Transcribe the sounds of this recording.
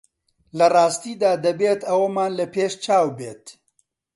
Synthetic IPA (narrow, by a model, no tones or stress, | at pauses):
lɐrɑːst̪iːd̪aːd̪ɐbeːt̪ɐwɐmaːnlɐpeːʃt͡ʃaːwbeːt̪